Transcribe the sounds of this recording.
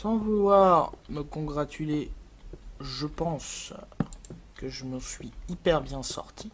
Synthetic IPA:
sɑ̃vulwaːʁməkɔ̃ɡʁat̪ʰyle | ʒəpɑ̃s | kəʒəməsɥiipɛʁbjɛ̃sɔ̰ʁt̪ʰi

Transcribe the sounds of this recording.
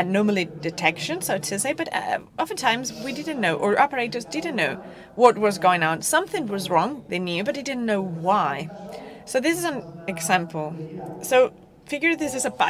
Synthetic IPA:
ɨdⁿnɔɹml̩ˠid̥ɨtʰɛkʃɨ̃nsoʊɨtstɨseɪbʌɾʌ̰ʔɑfə̃n̩tʰãɪ̃mzwidɪdⁿn̩noʊʔə˞ʔɑpə˞eɪɾə˞zdɪdⁿn̩noʊ | wʌt̚wʌzɡoʊɪ̃ŋə̃nsʌ̃mθɪ̃ŋwʌzɹɔ̃ŋðeɪnjʉbʌt̪̚ðeɪdɪdⁿn̩noʊwaɪsoʊðɪsɨzə̃nɨɡzæ̃mpʰl̩ˠsoʊ | fɪɡjə˞ʌðɪsɨzɨba

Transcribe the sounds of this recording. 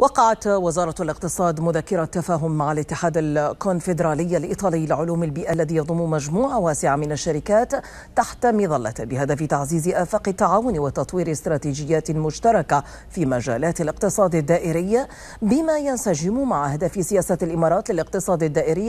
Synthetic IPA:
wɑqɑʕat̪wɪzɑːɾˤɑalɪq̚t̪ɨsˤɑːd̪mʊðakːɪɾat̪ːafaːɦʊmːaʕalɪt̪ːɪħaːd̪alkʊnfɪd̪ɾˤɑːlɪjːalʔḭːt̪ˤɑːlɪjːlɪʕʊluːmalbiːʔalːaðiːjɑðˤʊmːʊmad͡ʒmuːʕawaːsɪʕamɪnaʃːaɾɪkaːt̪ː | aħt̪amɪðɑlːa̰bɪɦad̪afɪt̪aʕziːzɪʔaːfaːqɪt̪ːaʕaːwʊnwɪt̪ɑt̪ˤwiːɾɪst̪ɾˤɑːt̪iːd͡ʒɪjːaːt̪lmʊʃt̪ɑɾˤɑka | fiːmad͡ʒa̰ːlaːt̪alɪqt̪ɨsˤɑːd̪ad̪ːaːʔɪɾɪjːa | bɪmajansad͡ʒɪmʊmaʕahad̪afɪsɪjaːsalʔɪmɑːɾˤɑːt̪lɪlɪq̚t̪ɨsˤɑːd̪ad̪ːaːʔɪɾɪː

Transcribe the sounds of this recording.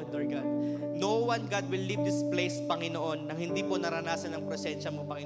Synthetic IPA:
d̪ɔɹɡad̪̚nowɐnɡad̪̚wɪlːivd̪isplejspɐŋɪnoʔo̞nːɐŋhɪnd̪iːponɐɾɐnaːsɐnɐŋpɾɛsɛnʃɐmopɐŋɪ

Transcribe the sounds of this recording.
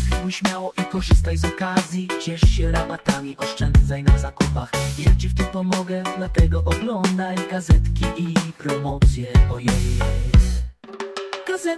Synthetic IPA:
iɡuɕmʲjawɔʔikɔʐɨst̪ajzɔkazʲjit͡ɕɛʂɕɛɾapat̪amʲiʔɔʂt͡ʂɛnd̪zajnazakupaxjat͡ɕift̪ɪmpɔmɔɡɛd̪lat̪ɛɡɔʔɔɡlɔnd̪ajɡazɛt̪kʲiʔipɾɔmɔt̪sʲjɛɔjɔj | ɡazɛ

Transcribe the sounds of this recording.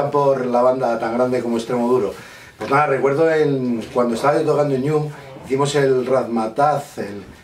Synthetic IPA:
apo̞ɾlaβ̞and̪at̪aŋɡɾand̪e̞ko̞moest̪ɾe̞moðuɾo̞ | pwoznaðare̞kwe̞ɾðo̞eŋkwand̪oest̪aajot̪okand̪oɲum | iθimo̞se̞lraθmat̪aθel

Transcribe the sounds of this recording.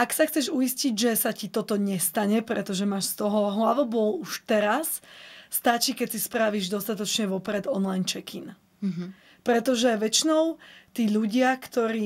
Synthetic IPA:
aksaxt͡sɛʒuisciɟʒɛsacit̪ɔt̪ɔɲɛst̪aɲɛpɾɛt̪ɔʒɛmaːʃst̪ɔɦɔɦlaʋɔbɔluʃt̪ɛɾasːt̪at͡ʃikɛcsispɾaʋiʒd̪ɔst̪at̪ɔt͡ʃɲɛʋɔpɾɛd̪ɔnlajnt͡ʃɛkin | pɾɛt̪ɔʒɛʋɛt͡ʃinɔʊt̪iːʎuɟɪakt̪ɔɾiː

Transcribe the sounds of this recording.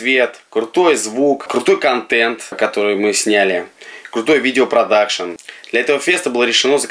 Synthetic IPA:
vʲet̪kɾʊt̪o̞jzvukkɾʊt̪o̞jkɐnt̪ɛnt̪kɐt̪o̞ɾɨjmɨsʲnʲælʲɪkɾʊt̪o̞jvʲidʲɪopɾɐd̪akʂənd̪lʲɐɛt̪əvəfʲe̞st̪əbɨlˠəɾʲɪʂɨno̞zə

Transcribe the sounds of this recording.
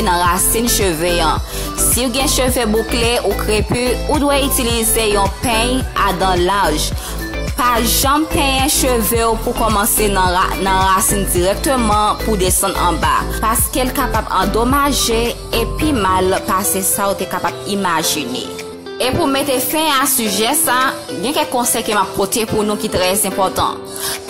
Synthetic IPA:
nɐ̃ɣasĩnʃøveɐ̃ | siuɡɛ̃ʃøvebukleʔukʰʁepyudwɛytilizejɔ̃pɛ̃jad̪ɑ̃laʒ | paʒãmpɛ̃jɛ̃ʃøveupukɔmɑ̃sennɐ̃ɣasind͡ziʁɛk̚t̪ømɑ̃pud̪esɑ̃d̪ɑ̰̃ba̰paskelkapabɑ̃d̪omaʒe | epimalpasesaot̪ekapabimaʒinḛ | epumet̪efɛ̃asyʒɛsa | ɡɛ̃kɛ̃kkːɔ̃sɛjkəmap̚kot̪ʰepunũkit̪ʁɛzɛ̃pɔt̪ɑ̰̃

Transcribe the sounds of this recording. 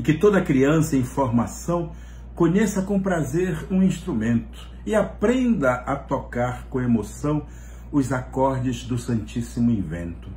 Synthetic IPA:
ɪ̃kɪt̪od̪ɐkɾiɐ̃sɐẽj̃foɾmasɐ̃w̃ | kõɲesɐkõpɾazeɾũĩʃt̪ɾumẽnt̪ʊ̥ | ɪapɾẽnd̪ɐʔɐt̪okaɾkõemosɐ̃w̃ | ʊzakɔɾd͡ʒɪzd̪ʊsɐ̃nt͡ʃisimʊĩvḛ̃nt̪ʊ

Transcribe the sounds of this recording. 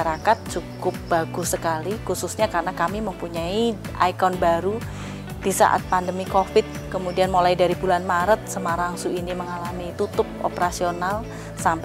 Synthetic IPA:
aɾakat̪̚t͡ʃukʊp̚b̥aɡʊsəkalikususɲakaɾənakamiməmpuɲaiʔa̰jkɔnbaɾu | d̥isa̰ʔa̰t̪̚pandəmikofɪt̪̚kəmudianmolaidaɾibulanmaɾət̪̚səmaɾaŋsuiniməŋalamit̪ut̪ʊp̚ʔo̰pəɾasional | samp

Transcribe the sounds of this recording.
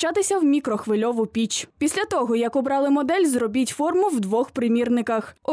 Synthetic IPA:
t͡ʃɑt̪ɪsʲɐwmʲikɾɔxʋɪlʲɔʋʊpʲit͡ʃpʲisʲlʲɐt̪ɔɦɔjɐkʊbɾɑlˠɪmɔd̪ɛlʲzrɔbʲitʲfɔrmʊwd̪ʋɔxpɾɪmʲirnɪkɐxɔ

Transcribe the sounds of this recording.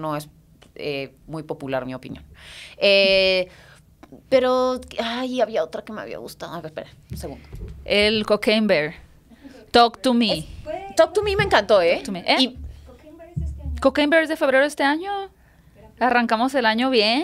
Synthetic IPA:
noes | e | mujpo̞pulaɾmiopḭnjõ̰ne | pe̞ɾoajaβiaot̪ɾakemea̰βḭa̰ɣṵst̪aðokespeɾe | seɣund̪oelkokembeɾ | t̪okt̪umit̪ok̚t̪umimeːŋkant̪oet̪umiʔei | kokejmbeɾzðefe̞βɾe̞ɾoest̪e̞aɲo̞ | araŋkamo̞se̞laɲo̞βje

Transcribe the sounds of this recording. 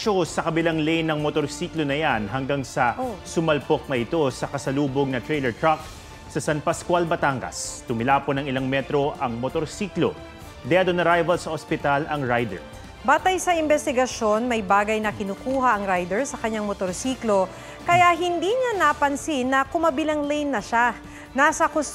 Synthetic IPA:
ʃosɐkɐbɪlaŋlɛjnːɐŋmot̪o̞ɾsiːklonɐjanɦɐŋɡaŋsɐsʊmɐlpok̚nɐʔɪt̪o̞sɐkɐsɐluːboɡ̚nɐt̪ɾɛjlɛɹt̪ɹak̚ | sɐsɐnpɐskwalbɐt̪aŋɡɐ̰st̪ʊmɪlaːponɐŋɪlaŋmɛt̪ɾo̞ʔɐŋmot̪oɾsiːklo̰ | d̪ɛɐd̪onɐɾajvɐlsɐʔospɪt̪alʔɐŋɹajd̪ɛ̰ɹ | baːt̪ɐjsɐʔɪnbɛst̪ɪɡɐʃo̞nmɐjbaːɡɐjnɐkɪnuːkuːɦɐʔɐŋɾajd̪ɛɹsɐkɐɲaŋmot̪oɾsiːklo̞ | kɐjaɦɪnd̪iɲanɐpɐnsɪnːɐkʊmɐbɪlɐŋlejnːɐʃa | naːsɐkʊs

